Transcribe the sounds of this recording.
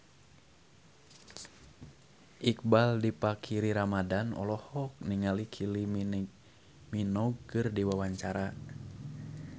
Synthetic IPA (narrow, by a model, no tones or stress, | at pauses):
ʔik̚baldipakʰiɾiɾamadanɔ̰lɔhɔk̚niŋalikʰili | minɔɡ̚kɨrdiwawaɲt͡ʃaɾa